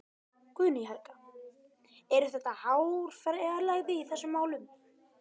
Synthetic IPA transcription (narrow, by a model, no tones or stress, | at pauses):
kʰvʏːnɪɦaɾkḁ | ɛɾʏθɛht̪ːahawɾ̥fɛɾɾlaɣðɪiθɛsːʏmːaːwlʏm